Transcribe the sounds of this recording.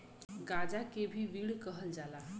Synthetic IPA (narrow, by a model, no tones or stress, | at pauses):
ɡad͡zakebʱiːʋiːɭkəɦəld͡zala